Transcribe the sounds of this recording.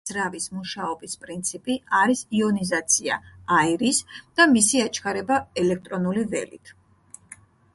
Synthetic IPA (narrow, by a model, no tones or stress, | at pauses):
ɾavismuʃaɔbispʼɾint̪sʰipʼiaɾisiɔnizat̪sʰia̰aiɾisd̪̥amisiat͡ʃʰkʰaɾɛbaɛlɛk̚ʰt̪ʼɾɔnulivɛ̰lḭt̪ʰ